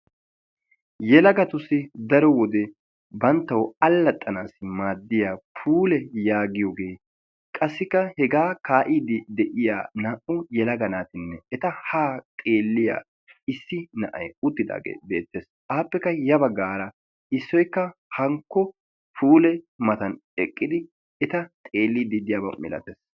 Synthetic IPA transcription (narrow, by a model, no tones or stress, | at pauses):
jɛlɐɡɐt̪ʊsːɪd̪ɐɾɔwɔd̪ɛ | bɐnt̪ːɐwɐlːɐt̪ʼːɐnaːsɪmaːd̪ːɪjaːpʰuːlɛjaːɡɪjɔɡeː | kʼɐsːɪkːɐhɛɡaːkaːʔiːd̪ɪd̪ɛʔɪja̰ːnaːʔʊjɛlɐɡɐnaːt̪ɪnːɛɛt̪ɐhaːt̪ʼeːlːɪja̰ː | ɪsːɪnɐʔɐ̰jʊt̪ːɪd̪a̰ːɡḛːbe̞ːt̪ːeːs | ʔaːpːɛkːɐjɐbɐɡːaːɾɐ | ɪsːɔjkːɐhɐŋkːɔ | pʰuːlɛ | mɐt̪ɐnɛkʼːɪd̪ɪ | ɛt̪ɐt̪ʼeːlːid̪ɪd̪ɪjaːbɐ̰mɛ̰lɐ̰t̪eːs